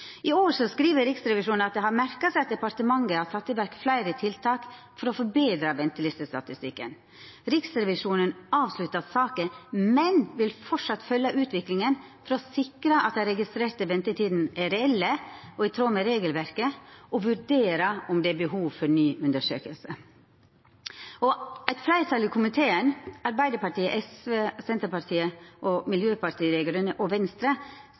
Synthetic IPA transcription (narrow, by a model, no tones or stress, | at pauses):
ɪoːɾsɔskɾiːʋəɾɪksɾɛʋɪʂuːnnɑt̪̚d̪ɛɦɑɾmæɾkɑsæɪɑt̪̚d̪ɛpɑɾt̪əmɑŋɡəɑt̪ʰɑt̪ːɪʋæɾkflæɪɾət̪ʰɪlt̪ʰɑːk | fɔɾɔfɔɾbeːd̪ɾɑʋɛnt̪əlɪst̪əst̪ɑt̪ɪst̪ɪkːə̰n | ɾɪksɾɛʋɪʂuːnənɑːʋslʉt̪ːɑsɑːkəmɛnʋɪlfɔʈʂɑt̪ːfœlːɑʔʉːt̪ʰʋɪklɪŋənfɔɾɔsɪkɾɑʔɑ̰t̪̚d̪ɛɾɛɡɪst̪ɾeːɾt̪əʋɛnt̪ət̪ʰiːd̪n̩ʔæɾɛɛlːəɔɛt̪ʰɾoːməɾeːɡəlʋæɾkəʔɔʋʉɾd̪eːɾɑɔmd̪ɛæbəhuːʋfɔɾnyːʔʉnd̪əʂø̰ːkəlsə | ɔæɪt̪fɾæɪt̪ʰɑːlɪkʰʊmɪt̪ʰeːənɑɾbæɪd̪əɾpɑɾʈiːəʔɛsʋeːsɛnt̪əɾpɑɾt̪ʰiːəʔɔmɪljøːpɑɾt̪ʰiːɾeːɡəɾʉnəʔɔʋɛnst̪ɾə